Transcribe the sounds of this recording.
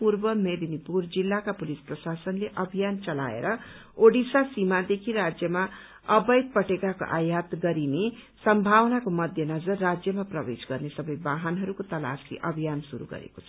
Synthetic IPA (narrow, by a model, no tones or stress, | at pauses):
purbʌmed̪inipurd͡zilːakapulisprʌsasʌnleʔʌbʱijant͡sʌla̰ḛɾʌoɽisasimad̪ekʰiɾad͡zjʌma | ʌbʌjd̪̚pʌʈekako̰ʔa̰jat̪ɡʌɾine | sʌmbʱawnakomʌd̪ʱjʌnʌd͡zʌrːad͡zjʌmaprʌbesɡʌrnesʌbʌjbaɦanɦʌɾukot̪ʌla̰sḭʔʌbʱijansuɾṵɡʌ̰ɾḛkot͡sʰʌ̥